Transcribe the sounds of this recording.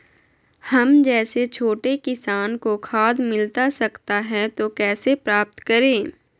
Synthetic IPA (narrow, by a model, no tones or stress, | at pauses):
hɐmd͡ʒɛːset͡ʃʰoːʈekɪsaːnkokʰaːd̪mɪlt̪asɐkt̪aɦɛt̪okɛːsepɾaːp̚t̪kɐɾẽː